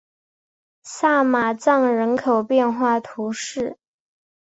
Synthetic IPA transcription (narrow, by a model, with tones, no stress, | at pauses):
sa˥˩ma˨˩t͡sɑ˥˩ŋɻə˧˥nkʰo˨˩ʊpjɛ˥˧nxwa˥˩t̪ʰu˧˥ʂɻ̩˥˩